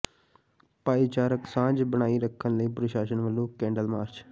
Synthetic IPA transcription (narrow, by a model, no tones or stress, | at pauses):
paːiːt͡ʃaːɾəksãːd͡ʒbəɽ̃aːiːɾəkʰːənləiːpɾəʃaːʃənʋəlːõːkɛ̃ːɳɖəlmaːɾt͡ʃ